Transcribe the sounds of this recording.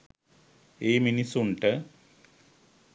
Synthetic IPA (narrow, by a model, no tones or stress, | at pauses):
eːminisuɳʈɨ